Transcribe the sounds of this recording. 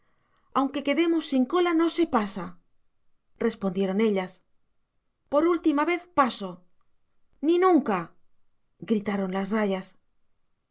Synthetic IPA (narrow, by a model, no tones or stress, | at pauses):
awŋke̞ke̞ðe̞mo̞sːiŋko̞lano̞se̞pasa | re̞spo̞nd̪je̞ɾo̞ne̞ʎas | po̞ɾult̪imaβe̞θpaso̞ | ninũŋka | ɡɾit̪aɾo̞nlasraʝas